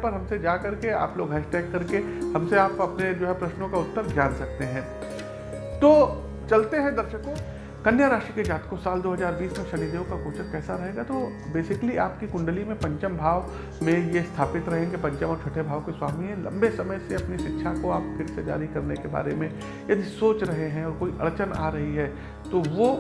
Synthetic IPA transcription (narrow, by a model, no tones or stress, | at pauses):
pɐɾɦɐ̃msed͡ʒaːkɐɾkea̰ːploːɡɦɛʃʈɛːkːɐɾkehɐ̃mseaːpɐpned͡ʒoːɦɛpɾɐʃnõkaʊt̪ːəɾbd͡ʒaːnsɐk̚t̪eɦɛ̃ː | t̪oː | t͡ʃɐlt̪eɦɛ̃d̪ɐɾʃəkõ | kɐnjaɾaːʃiked͡ʒaːt̪kosaːld̪oːɦɐzaːɾbiːsmẽʃɐlid̪eːõkakoːt͡ʃəɾkɛːsaɾɐɦeːɡat̪o | beːsɪkliaːpkikʊ̃ɳɖəlimẽpɐ̃ɲt͡ʃəmbʱaːʋ | mẽjest̪ʰaːpɪt̪ɾɐɦẽɡepɐ̃ɲt͡ʃəmɔːɾt͡ʃʰʊʈʰebʱaːʋkiswaːmiɛ̃lɐ̰̃mbesɐməjseɐpniʃɪtːʃʰakoaːp̚pʰɪɾsed͡ʒa̰ːɾikɐɾnekeba̰ːɾemẽ | jɐd̪ʱisoːt͡ʃɾɐɦeɦɛ̃ɔːɾkoːiʔɐɭt͡ʃəna̰ːɾɐɦiɦɛː | t̪oʋo